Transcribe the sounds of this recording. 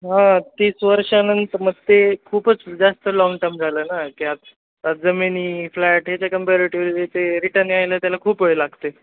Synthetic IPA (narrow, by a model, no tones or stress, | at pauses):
ɦãt̪iːsʋəɾʂanənt̪əməɡt̪ekʰuːpət͡sd͡zast̪əlɔŋɡʈəɾmd͡zʱaləːnakiat̪̚ | ad͡zəminiːflɛʈɦet͡ɕjakəmpeɾiʈoɾiet̪eɾiʈənajlət̪jalakʰuːpoelaɡt̪e